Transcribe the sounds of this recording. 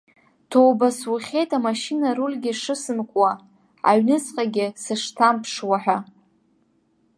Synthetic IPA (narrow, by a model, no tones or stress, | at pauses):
tʰowbaswuχʲe̞jtʰʼamaʃinaɾulʲɡʲɪʂɨsɨnkʷʼwa | a̰ɥnɨt͡sʼqʼaɡʲɪsɨʂtʰampʰʂwaħᶣa